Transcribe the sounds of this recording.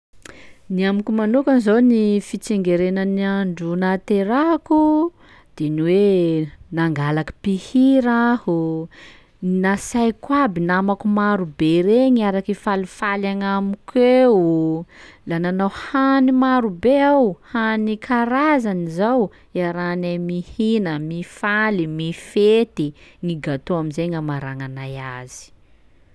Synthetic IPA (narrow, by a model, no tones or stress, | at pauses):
niamikumanukanzownifit͡seŋɡeɾenəniaɳɖ͡ʐunat̪eɾaku | d̪̥eniwe | naŋɡalakḁpihiɾahu | nasajkwabinamakumaɾubeɾeɲaɾakifalifalaŋamikʰwe | lananawhanimaɾubeawhanikʰaɾazanizaw | aɾanamihinəmifalimifet̪iŋiɡat̪oamizeŋamaɾaŋanajaz̥i̥